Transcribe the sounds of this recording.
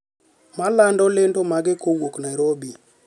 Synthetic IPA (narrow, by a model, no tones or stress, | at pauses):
malandɔlendomaɡɪkʰowoknajɾobi